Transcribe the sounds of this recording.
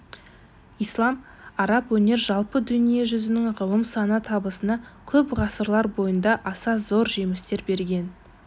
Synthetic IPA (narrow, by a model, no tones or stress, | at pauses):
ijslˠɑm | ɑɾɑpwɵne̞ɾʒɑlˠpəd̪ʏnije̞ʒʏzɪnɪŋʁəlˠəmsɑnət̪ʰɑbəsənɑkʲʰɵpʁɑsəɾlˠɑɾbo̞jənd̪ɑʔɑsɑzo̞ɾʒe̞mɪst̪e̞ɾbe̞ɾɡʲe̞n